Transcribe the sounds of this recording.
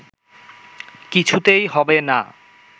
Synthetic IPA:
kit͡ɕʰut̪ejɦɔbena̰

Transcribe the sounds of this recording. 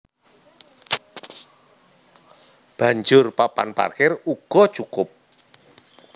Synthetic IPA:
b̥a̤ɲd͡ʒʊrpapa̰npa̰rkɪruɡ̥ɔ̤t͡ʃukʊp̚

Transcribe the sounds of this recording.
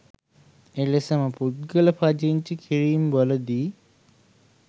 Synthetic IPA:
elesəməput̪̚ɡələpʰad͡ʒeiɲt͡ʃikʰiɾiːmboləd̪iː

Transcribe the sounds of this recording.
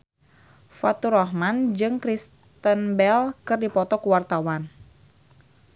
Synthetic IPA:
fat̪uɾɔhmand͡ʒɨŋkɾis | t̪ənbɛlkɨrdipɔt̪ɔkuwart̪awan

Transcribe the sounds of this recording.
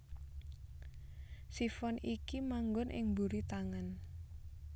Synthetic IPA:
sifɔnʔikimaŋɡʊnʔɪ̰ŋbuɾit̪aŋan

